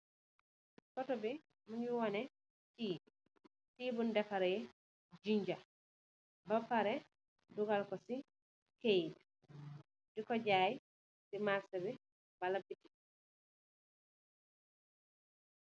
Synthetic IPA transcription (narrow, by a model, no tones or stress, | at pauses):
kɔtɔbi | muɲuwɔnɛ | tiː | tiːbundɛfaɾɛjɛ | d͡ʒiɲd͡ʒa | bapːaɾɛ | duɡalkɔsi | kejt | dikɔd͡ʒaːj | simasɛbɛ | balabiti̥